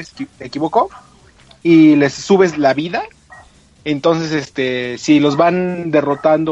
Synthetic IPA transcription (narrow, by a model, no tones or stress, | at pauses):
eekiβoko | ile̞sːuβe̞zlaβiða | ent̪o̞ns̬e̞sest̪e̞silo̞zβand̪e̞ro̞t̪and̪o